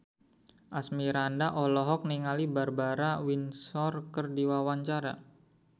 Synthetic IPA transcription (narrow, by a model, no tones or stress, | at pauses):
ʔasmiɾandaʔɔlɔɦɔk̚niŋalibarbaɾawinsɔrkərdiwawaɲt͡ʃaɾa